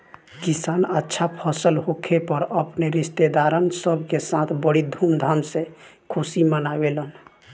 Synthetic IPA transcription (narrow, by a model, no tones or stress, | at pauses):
kisanətːʃʰapʰəsəlɦokʰepəɾəpneɾist̪ed̪aɾənsəbʱkesãt̪ʰbəɽid̪ʱumd̪ʱamsẽkʰusimənabelən